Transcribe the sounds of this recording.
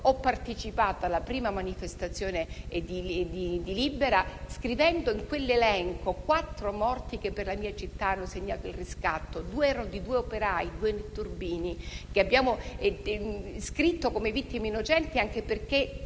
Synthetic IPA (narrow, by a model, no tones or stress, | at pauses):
ɔpːart̪et͡ʃipaːt̪oalːapɾiːmamanifest̪at̪sːjoːned̪id̪id̪ilibːeɾaskɾivɛnd̪oiŋkwelːelɛŋkokwat̪ːɾomɔrt̪ikepːerlamiːat͡ʃit̪ːaanːoseɲːaːt̪oilriskat̪ːod̪uːeɛːɾanod̪id̪uːeopeɾaːjid̪uːenet̪ːurbiːnikeabːjaːmo | skɾit̪ːokomevit̪ːimeinːot͡ʃɛnt̪iaŋk̟eperke